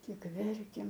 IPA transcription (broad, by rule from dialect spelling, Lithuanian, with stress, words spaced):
tʲɪk ˈʋʲɛrʲkʲeːm